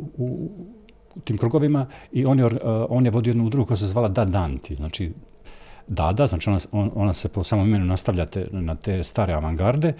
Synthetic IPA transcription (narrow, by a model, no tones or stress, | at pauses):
u | t̪iːmkɾuːɡo̞ʋimaio̞ːnjeoɾo̞ːnjeʋo̞d̪iojed̪nuud̪ɾuɡkojasezʋaːlad̪ad̪ant̪ʰiznaːt͡ʃi | d̪a̰ːd̪aznaːt͡ʃio̞naoonaseposaːmomime̞nunast̪aʋʎat̪ḛnat̪e̞ːst̪aːɾe̞aʋaŋɡaɾd̪e̞